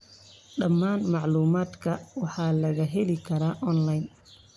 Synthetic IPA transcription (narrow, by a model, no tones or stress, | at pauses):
ɗɐmːaːnmɑʕluːmaːd̪kʰɐwɑħɑːlɐɣɐɦɛlɪkʰɐɾaːʔɔnlajn